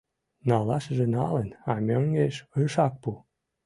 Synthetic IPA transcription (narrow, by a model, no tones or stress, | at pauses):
nɑlɑʃʒenɑlenɑmʲøŋɡeʃəʃɑk̚pu